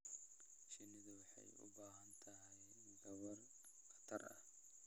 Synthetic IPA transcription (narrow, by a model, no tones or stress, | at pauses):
ʃɪnɪðɐwɑħɑ̰jʊ̰baːɦɐnt̪ʰɐɦɛjj | ɡɐwɐr | χɐ̥t̪ʰɐrɐ̰h